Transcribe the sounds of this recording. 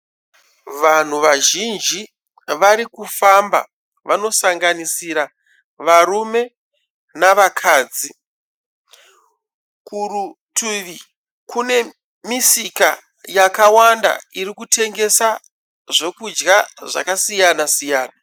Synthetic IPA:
ʋan̤uʋaʒind͡ʒi | ʋaɾikufamba̰ | ʋano̞saŋɡanisiɾa | ʋaɾume̞ | naʋakʰaːd͡zi | kuru | tʰuʋi | kune̞ | misika | jakawanda̰irikutʰe̞ŋɡe̞sa | ʐe̞kud͡ʒɡaʐa̰kasijanasijaːna

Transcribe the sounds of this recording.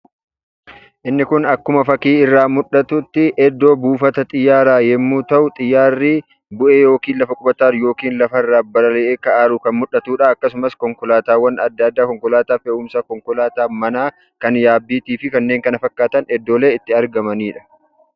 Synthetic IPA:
ʔɪnːɪkʊnɐkːʊmɐfɐkiːɪrːaːmʊᶑɐt̪ʊt̪ːɪʔɛd̪ːo̞ːbuːfɐt̪ɐt̪ʼɪjːaːɾaːjɛmːuːt̪ɐʔʊt̪ʼɪjːaːrːiː | bʊʔeːjo̞ːkiːnlɐfɐkʼʊbɐt̪aːɾjo̞ːkiːnlɐfɐrːaːbɐlɐlɛʔeːkɐʔaːɾʊkɐnmʊᶑɐt̪uːᶑaɐkːɐsʊmɐskɔŋkʊlaːt̪aːwːɐnɐd̪ːad̪ːaːkɔŋkɔlaːt̪aːfɛʊːmsɐkɔŋkɔlaːt̪aːmɐnaː | kɐnjaːbːiːt̪iːfɪkɐnːe̞ːŋkɐnɐfɐkːaːt̪ɐnɛd̪ːoːle̞ːɪt̪ːɪɐɾɡɐmɐniːᶑɐ̥

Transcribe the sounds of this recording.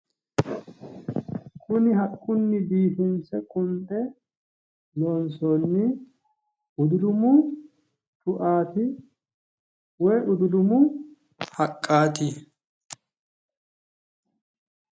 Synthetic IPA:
kʰʊnɪɦɐkʼːʊnːɪd̪iːfɪnsɛkʼʊnt̪ʼɛ | lɔːnsɔnːɪ | ʊd̪ʊd̪ʊmʊ | t̪ʼʊʔaːt̪ɪ | wɔjʔʊd̪ʊd̪ʊmʊ | hɐkʼːaːt̪ɪ

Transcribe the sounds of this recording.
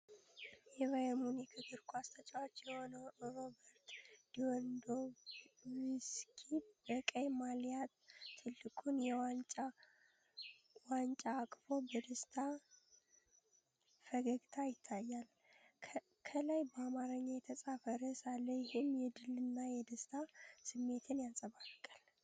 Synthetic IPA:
jɛvajəmunjɛkʰɨɡɨɾkʰʷuast̪ʰət͡ʃʼawot͡ʃːjɛho̞nəwɾo̞bəɾt̪d̪̥iwɔnd̪o | wiskʰibəkʼəjmaljat̪t̪ʰːɨlːɨkʼunjɛwant͡ʃʼa | want͡ʃʼaːkʼfobəd̪əst̪ʰa | fəɡəɡt̪ʰajɪt̪ʰːajːal | kʰəlajbəamaɾəɲːajɛt̪ʰəsʼafəɾəsalːəjɪhɨmjɛd̪ɨlːɨnːajɛd̪əst̪ʰasɨmːe̞t̪ʰɨnjasʼəβaɾkʼːəl

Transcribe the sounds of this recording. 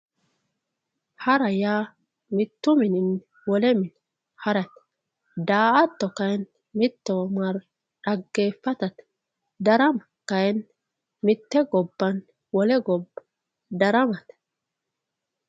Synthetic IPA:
hɐɾɐjaː | mɪt̪ːʊmɪnɪn | wɔlɛmɪn | hɐɾɐt̪ | d̪aːʔɐt̪ːɔkɐjn | mɪt̪ːɔwmɐɾ | ᶑɐɡːeːfːɐt̪ɐt̪ | d̪ɐɾɐmɐ | kɐjɛn | mɪt̪ːɛɡɔbːɐn | wɔlɛɡɔbː | d̪ɐɾɐmɐt̪

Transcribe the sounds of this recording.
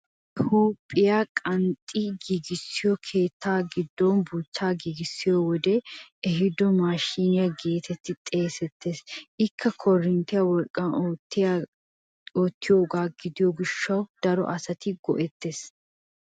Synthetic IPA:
huːpʼːɪjakʼɐnt̪ʼːiɡiɡɪsːɪjɔkʰe̞ːt̪ːaːɡɪd̪ːɔnbuːt̪ːaːɡiɡɪsːɪjɔwɔd̪ɛɛɦɪd̪ɔmaːʃiːnɪjaɡe̞ːt̪ʰɛt̪ːɪt̪ʼe̞ːsɛt̪ːeːsɪkːɐkʰɔrːɪnt̪ɪjɐwɔlkʼːɐnoːt̪ːɪja | oːt̪ːɪjo̞ːɡaːɡɪd̪ɪjɔɡɪʃːɐwd̪̥ɐɾɔ̰ʔɐsɐt̪ɪɡɔ̰ʔɛt̪ːeːs

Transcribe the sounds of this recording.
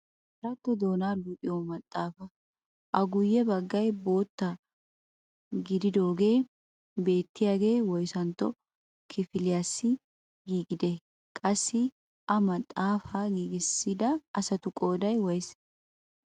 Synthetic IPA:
ɐɾɐt̪ːɔd̪o̞ːnaːluːpʼɪjoːmɐt̪ʼːaːfɐ | ʔɐɡʊjːɛbɐɡːɐjbo̞ːt̪ːɐ | ɡɪd̪ɪd̪o̞ːɡe̞ː | be̞ːt̪ːɪjaːɡe̞ːwɔjsɐnt̪ːɔ | kʰɪfɪlɪjaːsːɪ | ɡiːɡɪd̪ɛ | kʼɐsːɪ | ʔɐmɐt̪ʼːaːfaɡiːɡɪsːɪd̪ɐʔːsɐt̪ʊkʼo̞ːd̪ɐjwɔjs

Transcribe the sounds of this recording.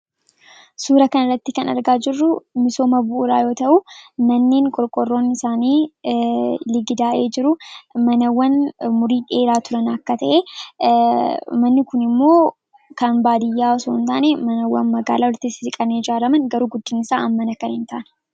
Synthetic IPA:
suːɾɐkɐnɐrːɐt̪ːɪkɐnɐ̰ɾɡaːd͡ʒɪrːʊmɪso̞ːmɐbʊʔːɾaːjo̞ːt̪ɐʔʊmɐnːeːŋkʼɔɾkʼɔrːo̞ːnːɪsaːniː | lɪɡɪd̪aːʔeːd͡ʒɪɾʊmɐnɐwːɐnmʊɾiːᶑe̞ːɾaːt̪ʊɾɐnɐkːɐt̪ɐʔe | mɐnːɪkʊnɪmːo̞ː | kɐnbaːd̪ɪjːaːɔsoːnt̪aːnɛmɐnɐwːɐ̰nmɐɡa̰ːlaːɔɾt̪ːɪsɪɾɪkʼɐned͡ʒaːɾɐmɐŋɡɐɾuːɡʊd̪ːɪnɪsa̰ːɐmːɐnɐkːɐnɪnt̪a̰ʔnɛ̥

